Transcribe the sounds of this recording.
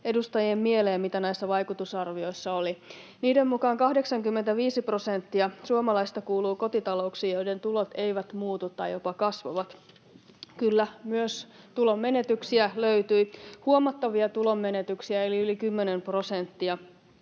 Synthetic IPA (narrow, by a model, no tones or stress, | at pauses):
e̞dust̪ɑjiemmieleːmit̪ænæisːæʋɑjkut̪usɑrʋio̞jsːɑoli | niːdemːmukɑːŋkɑhdeksɑŋkymːent̪æʋiːsipro̞sent̪ːiɑsuomɑlɑist̪ɑkuːluːko̞t̪it̪ɑlouksiːjoide̞nt̪ulo̞t̪ejʋæt̪muːt̪ut̪ːɑjjo̞pɑkɑsʋo̰ʋɑt̪ | kylːæmyøs | t̪ulo̞mːe̞net̪yksiæløyt̪yihuomɑt̪ːɑʋiɑt̪ulo̞mːe̞ne̞t̪yksiæeliylikymːenempro̞sent̪ːiɑ